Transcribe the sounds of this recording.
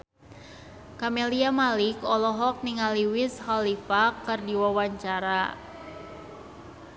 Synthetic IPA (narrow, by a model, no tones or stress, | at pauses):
kameliamalikɔlɔɦɔk̚niŋaliwishalifakɨrdiwawaɲt͡ʃaɾa